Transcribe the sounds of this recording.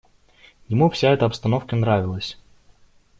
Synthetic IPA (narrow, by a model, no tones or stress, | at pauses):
jɪmufsʲaɛt̪əɐpst̪ɐnofkənɾavʲɪlˠəsʲ